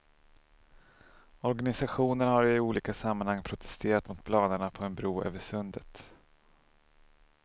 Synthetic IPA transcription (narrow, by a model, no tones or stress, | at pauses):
ɔɾɡanɪsaɧuːnənhaɾɪuːliːkasamːanhaŋːpʰɾʊt̪ʰɛ̥st̪ʰeːɾat̪mʊt̪̚pʰlɑːnəɳapʰɔɛnbɾuːø̰ːvəʂɵnd̪ət̪